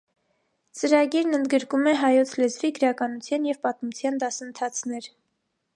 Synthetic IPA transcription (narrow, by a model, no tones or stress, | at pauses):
t͡səɾɑɡiɾnənd̪ɡəɾkumɛɦɑjɔt͡sʰlɛzviɡəɾɑkɑnut͡sʰjɑnjɛvpɑt̪mut͡sʰjɑnd̪ɑsənt̪ʰɑt͡sʰnɛɾ